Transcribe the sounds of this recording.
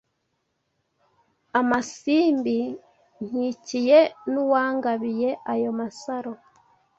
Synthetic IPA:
amasiːmbi | n̥icijenuwaːŋɡaβijeʔajomasaɾo

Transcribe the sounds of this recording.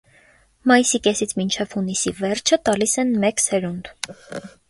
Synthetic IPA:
mɑjisikɛsit͡sʰmint͡ʃʰɛv̥hunisivɛrt͡ʃʰət̪ɑlisɛnmɛksɛɾund̪

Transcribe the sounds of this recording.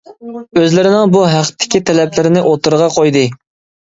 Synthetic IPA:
øzlɪɾɪnɪŋbuɦæqt̪ʰːɪ̥kʲit̪ʰɛlɛplɪɾɪnɪʔot̪ʰɨɾʁɑqʰojd̪ɨ

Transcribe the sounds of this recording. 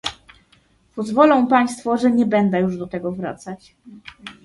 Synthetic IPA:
pɔzvɔlɔ̃w̃paj̃st̪fɔʐɛɲɛbɛnd̪ɛjuʐd̪ɔt̪ɛɡɔvɾa̰t̪sat͡ɕ

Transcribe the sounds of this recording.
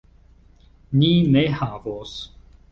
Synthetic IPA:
ninehavos

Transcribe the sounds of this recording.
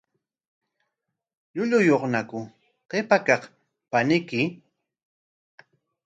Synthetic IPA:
ʎʊʎʊjoχnakʊ | qepakɑχ | panɪkɪ

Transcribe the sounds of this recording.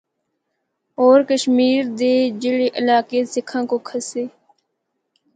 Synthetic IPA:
ɔːɾkəʃmiːɾd̪eːd͡ʒɪleʔəlaːkeːsɪkʰãːkoːkʰəseː

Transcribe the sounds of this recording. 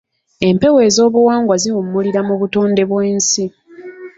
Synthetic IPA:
e̞mpe̞we̞ːzo̞ːβuwaːŋɡwaziwumːuliɾamuβutoːnde̞βweːnsi

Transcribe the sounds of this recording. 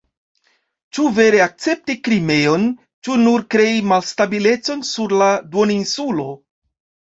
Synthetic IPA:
t͡ʃuve̞ɾe̞ak̚t͡se̞p̚tikɾime̞o̞n | t͡ʃunuɾkɾe̞imalstabile̞t͡so̞nsuɾladoninsulo̞

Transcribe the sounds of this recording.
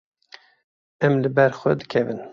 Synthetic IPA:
ɛmlɨbɛɾxʷɛ̰d̪ɨkʲʰɛvɨn

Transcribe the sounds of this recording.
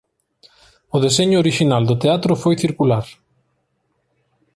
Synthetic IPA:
ʊðeseɲʊoɾiʃinald̪ʊt̪eat̪ɾʊfojθiɾkulaɾ

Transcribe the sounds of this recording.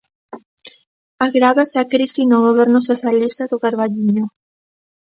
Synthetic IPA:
aɣɾaβasakɾisinõβaβeɾnʊsoθjalist̪aðoɣaɾβaʎiɲʊ

